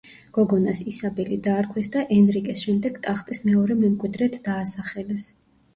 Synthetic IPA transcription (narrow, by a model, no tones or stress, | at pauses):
ɡ̥ɔɡɔnasisabɛlid̪aːɾkʰwɛsd̪aʔɛnɾikʼisʃɛmd̪ɛɡt̪ʼaχt̪ʼismɛɔɾɛmɛmkʼwid̪ɾɛt̪ʰd̪aːsaχɛlɛs